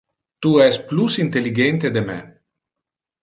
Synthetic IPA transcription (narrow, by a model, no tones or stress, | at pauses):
t̪uɛsplusint̪eliɡɛnt̪ed̪emḛ